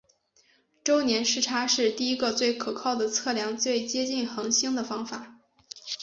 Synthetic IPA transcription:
ʈ͡ʂo˥ʊnjɛ˧˥nʂɻ̩˥˩ʈ͡ʂʰa˥ʂɻ̩˥˧t̪i˥˩i˥ɡə˧t͡swe˥˩ɪkʰɤ˨˩kʰɑ˥˩ʊd̪ə˩t͡sʰɤ˥˩ljɑ˧˥ŋt͡swe˥˩ɪt͡ɕjɛ˥t͡ɕi˥˩nxɤ˧˥ŋɕi˥ŋd̪ə˨fɑ˥ŋfa˨˩˦

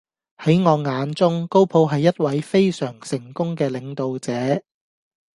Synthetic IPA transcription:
hɐ˨˥jŋɔː˨˧ŋaː˨˧nt͡sʊ˥ŋko˥wpʰo˨˧wɦɐ˨jːɐ˥t̚wɐ˨˥jfe˥jsœː˨˩ŋsɪ˨˩ŋkʊ˥ŋkɛː˧lɪ˨˧ŋt̪o˨wt͡sɛː˨˥

